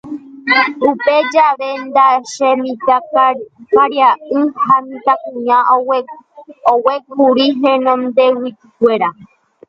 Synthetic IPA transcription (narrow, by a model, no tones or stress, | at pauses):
upe̞d͡ʒaʋe̞nd̪aʃemĩt̪a | kaɾjaʔɨhamĩt̪akũɲã | owek̚uɾiɦẽnõnd̪ewit̪ɨkʷeɾa